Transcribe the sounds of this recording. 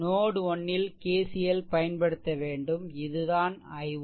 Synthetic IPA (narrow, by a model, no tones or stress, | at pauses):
noːɽɯɔɳːɪlkeːsɪjɐlpɐjɐnpɐɽɯt̪ːɐʋeːɳɖɯmɪðɯðaːnɐɪʋ